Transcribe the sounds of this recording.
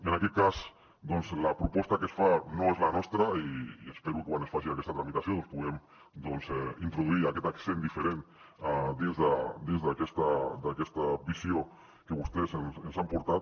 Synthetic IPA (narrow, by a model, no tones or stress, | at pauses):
enaket̪̚kas | d̪onzlapɾupɔst̪akesfanoezlanɔst̪ɾaiiespeɾukewanesfasilakest̪at̪ɾamit̪asjoonspuɣem | d̪onsɛint̪ɾuðuiɾaket̪aksend̪ifeɾen | ad̪ezðad̪ezðakest̪ad̪akest̪abisjo | keβust̪esensensampoɾt̪at̪